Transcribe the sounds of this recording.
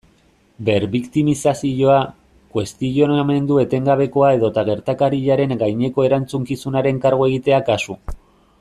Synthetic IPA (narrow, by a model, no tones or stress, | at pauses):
be̞ɾβikt̪imisasiʝo̞a | kwe̞st̪iʝo̞name̞nd̪ue̞t̪e̞ŋɡaβ̞e̞ko̞ae̞ðo̞t̪aɣ̞e̞ɾt̪akaɾiʎaɾe̞ŋɡajɲe̞ko̞e̞ɾant͡suŋkisunaɾe̞ŋkaɾɣo̞eɣ̞it̪e̞akasu